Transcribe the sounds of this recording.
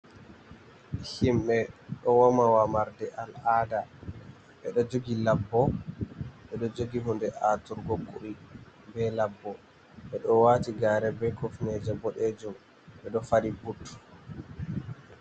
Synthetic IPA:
himɓɛɗɔwɔmawamaɾdɛʔalada | ɓɛɗɔd͡ʒoɡilabːɔ | ɓɛɗɔd͡ʒoɡiɦundɛʔatuɾɡɔkʼːui | bɛlabːɔ | ɓɛɗɔwaːtiɡaːɾɛbɛkɔfnɛd͡ʒɛbɔɗɛd͡ʒum | ɓɛɗɔfaɾibutːu̥

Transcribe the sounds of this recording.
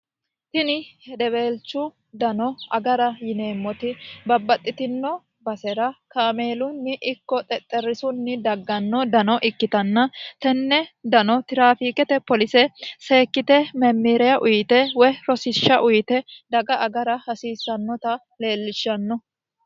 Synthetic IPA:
t̪ɪnɪhɛd̪ɛbeːlt͡ʃːʊ | d̪ɐnɔɐɡɐɾɐjɪne̞ːmːɔt̪ɪbɐbːɐt̪ʼːɪt̪ɪnːɔ | bɐsɛɾɐkaːmeːlʊnːɪʔɪkːɔt̪ʼɛt̪ʼːɛɾɪsʊnːɪd̪ɐɡːɐnːɔd̪ɐnɔʔɪkːɪt̪ɐnːɐt̪ɛnːɛd̪ɐnɔt̪ɪɾaːfiːkɛt̪ɛpɔlɪsɛseːkːɪt̪ɛmɛmːiɾɛjɐʔʊjt̪ɛwɔjɾɔsɪʃːɐʔʊjt̪ɛd̪ɐɡɐʔɐɡɐɾɐhɐsiːsːɐnːɔt̪ɐ | le̞ːlːɪʃːɐnːɔ

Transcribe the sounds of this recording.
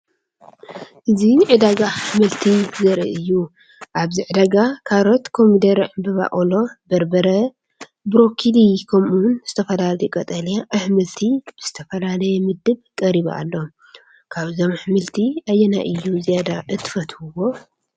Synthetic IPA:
ʔɨziʕɨd̪aɡaħmɨlt̪ʰizɐɾḭʔɨjːu | ʔaβziʕɨd̪aɡakʰaɾot̪kʰo̞mid̪ɐɾʕɨmbɨβa̰ʔʼolo̞bɐɾbɐɾɐ | bɾo̞kʰilikʰɐmunz̥ɨt̪ʰɐfɐlalɐjɛkʼɐt̪ʼɐljaʔɨħmɨlt̪ʰib̥ɨz̥ɨt̪ʰɐfɐlalɐjɛmɨd̪ɨbkʼɐɾiβ̰a̰lːo̞ | kʰaβzo̞mħɨmɨlt̪ʰiajːɛna̰ʔɨjːuzijad̪aʔɨt̪ʰɨ̥fɐt̪huwo̞

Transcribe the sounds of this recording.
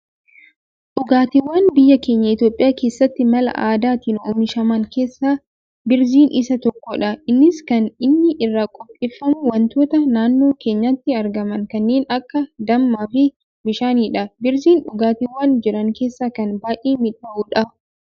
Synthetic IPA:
ᶑʊɡaːt̪ɪwːaːnbɪjːɐke̞ːɲːɐɪt̪jo̞ːpʼːɪjaːkeːsːɐt̪ːɪmɐlɐ̰ʔaːd̪aːt̪iːnoːmɪʃɐmɐŋke̞ːsːaː | bɪɾziːnʔɪsɐt̪ɔkːɔᶑɐɪnːɪskɐnɪnːɪʔɪrːaːkʼɔpʼɪfːɐmʊwɐnt̪o̞ːt̪ɐnaːnːo̞ːke̞ːɲːɐt̪ːɪɐɾɡɐmɐŋkɐnːe̞ːnɐkːɐd̪ɐmːaːfɪ | mɪʃaːniːᶑɐbɪɾziːnᶑʊɡaːt̪ɪwːaːnd͡ʒɪɾɐŋke̞ːsːaːkɐnbaːjʔeːmɪᶑɐʔuːᶑɐ

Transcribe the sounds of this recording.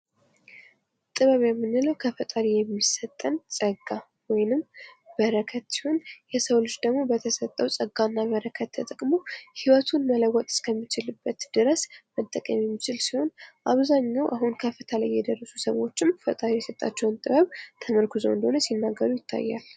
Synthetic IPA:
ʔɨt̪ʼːɨβəβjɛmːɨnːɨləwkʰəfət̪ʼaɾijɛmːisət̪ʼːənsʼəɡːa | wɔjnɨmbəɾəkʰət̪si̥ho̞njɛsəwlɨt͡ʃːd̪əɡmo̞bət̪ʰəsət̪ʼːəwsʼəɡanːaβəɾəkʰət̪ʰːət̪ʼəkʼmo̞hiwət̪ʰunmələwɔt̪ʼɨ̥skʰəmːit͡ʃɪlɨbːət̪d̪̥ɨɾəsmət̪ʼːəkʼəmjɛmːit͡ʃɪlsiho̞nʔaβzaɲːawʔaɦunkʰəfɨt̪ʰalajːɛd̪ərːəsusəwo̞t͡ʃːɪmfət̪ʼaɾijɛsət̪ʼa̰t͡ʃːɛwɨnt̪ʼɨβəβt̪ʰəməɾkʰuzoɨnd̪əhonəsinːaɡːəɾujɪt̪ʰːa̰jːa̰l

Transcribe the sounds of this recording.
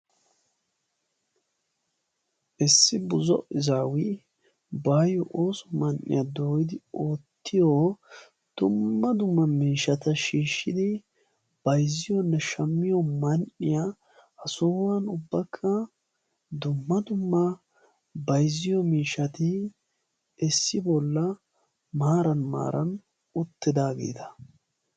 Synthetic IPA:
ʔɪsːɪbʊzɔ̰ʔɪzaːwɪ | baːjɔʔoːsɔmɐnʔɪ̰jad̪o̞ːjɪd̪ɪoːt̪ːɪjɔ | d̪̥ʊmːɐd̪ʊmːɐmiːʃɐt̪ɐʃiːʃːɪd̪ɪ | b̥ɐjzɪjɔnːɛʃɐmːɪjɔmɐnɪja | ɐsoːwɐnʊbːɐkʰːɐ | d̪ʊmːɐd̪ʊmːɐ | bɐjzːɪjɔmiːʃɐt̪ɪ | ɛsːɪbɔlːɐ | maːɾɐnma̰ːɾɐn | ʊt̪ːɪd̪aːɡḛːt̪ɐ̥

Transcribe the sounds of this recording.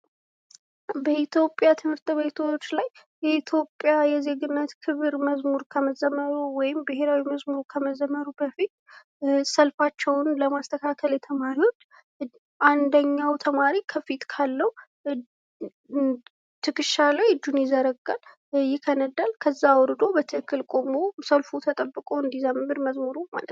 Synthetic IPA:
bəʔit̪ʰjo̞pʼjat̪ʰɨmhɨɾt̪ʼbe̞t̪ʰot͡ʃːlaj | jɛit̪ʰjo̞pʼːjajɛze̞ɡɨnːət̪kʰɨβɨɾməzmuɾkʰəməzəməɾuwɔjɪmbɨɦe̞ɾawiməzmuɾkʰəməzəmːəɾubəfit̪ | səlfat͡ʃːɛwnləmast̪ʰəkʰakʰəlet̪ʰəmaɾiwo̞t͡ʃː | ʔand̪əɲːawt̪ʰəmaɾikʰəfit̪ʼkʰalːəw | t̪ʰɨkɨʃːalajd͡ʒ̪unjɪzəɾəɡal | jɪkʰənəd̪alkʰəzːawɔɾɨd̪o̞bət̪ʰɨɨkʰːɨlkʼo̞mosəlfut̪ʰət̪ʼəbːɨkʼoɨnd̪izamɨmɨɾməzmuɾuma̰lə̰t̪n

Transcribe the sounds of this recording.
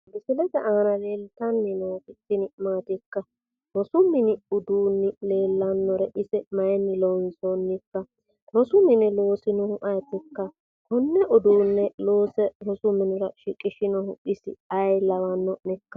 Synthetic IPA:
bɪsɪlɛt̪ɛʔaːnɐle̞ːlt̪ɐnːɪnɔwkʼɪt̪ːɪnɪmaːt̪ɪkːɐ | ɾɔsʊmːɪnɪʊd̪uːnːɪle̞ːlːɐnːɔɾɛʔɪsɛmɐjɛnːɪlɔwɪnsonːɪkːɐ | ɾɔsʊmɪnɪlo̞ːsɪnɔhʊʔɐjt̪ːɪkːɐ | hɔnːɛʔɔd̪uːnːɛlo̞ːsɛɾɔsʊmːɪnɪɾɐʃɪkʼːɪʃɪnɔhʊʔɪsɪ̰ɐjlɐwɐnːɔnɛkːɐ̥

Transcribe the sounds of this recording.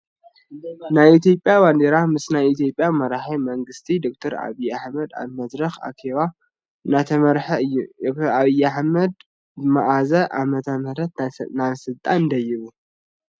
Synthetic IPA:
najit̪ʰjo̞pʼjaβand̪eɾamɨsnajit̪ʰijo̞pʼːjamɐɾaħamɐŋɡɨst̪ʰid̪o̞k̚t̪ʰɐɾa̰βijaħmɐd̪a̰βmɐd̪ɾɐxa̰kʰeβa | nat̪ʰɐmɐɾħɐɨjːud̪ok̚t̪ʰɐɾaβijaħmɐd̪ | maʔazɐʔamɐt̪ʰɐmɐɾɐt̪nasɨlt̪ʼannd̪ɐjːɪβu

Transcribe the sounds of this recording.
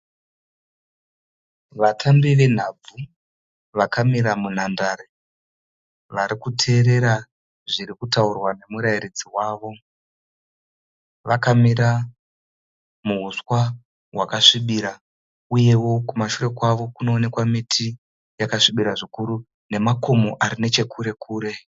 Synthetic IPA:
ʋatʰambiʋe̞n̤ab͡vu | ʋakamiɾamun̤andaɾe | ʋaɾikutʰe̞ːɾe̞ɾa | ʐiɾikutaurwane̞muɾaiɾid͡ziwaːʋo̞ | ʋakamiɾa | muɦuswa | wakaʂiɓiɾa | uje̞wo̞kumaʃure̞kwaʋo̞kuno̞ːne̞kwamitʰi | jakaʂiɓiɾaʐikuɾu | ne̞mako̞moʔaɾine̞t͡ʃe̞kʰuɾe̞kʰuːɾe̞

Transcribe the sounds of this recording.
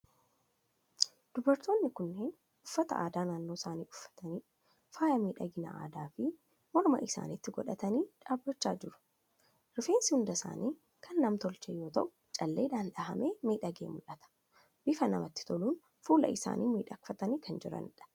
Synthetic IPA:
d̪̥ʊbɐɾt̪o̞ːnːɪkʊnːe̞ːn | ʔʊfːɐt̪ɐʔa̰ːd̪aːnaːnːo̞ːsaːnḭːʔʊfːɐ̥t̪ɐniː | faːjɐmiːᶑɐɡɪnɐ̰ʔa̰ːd̪aːfɪ | mɔlmɐ̰ʔɪsa̰ːnit̪ːɪɡɔᶑɐt̪ɐniːᶑaːbːɐt͡ʃːaːd͡ʒɪɾʊ̥ | ɾɪfe̞ːnsɪhʊnd̪ɐsa̰ːniː | kʰɐnːɐmt̪ɔlt͡ʃeːjːo̞ːt̪ɐ̰ʔʊ̥ | t͡ʃʼɐlːeːd̪aːnᶑɐɦɐ̰meːmiːᶑɐɡḛːmʊlɐt̪ɐ̥ | bɪfɐnɐmɐt̪ːɪ̥t̪ɔluːn | fuːlɐ̰ʔɪsa̰ːnʔḭːmiːᶑɐkfɐt̪ɐniːkʰɐnd͡ʒɪɾɐ̰nᶑɐ̥

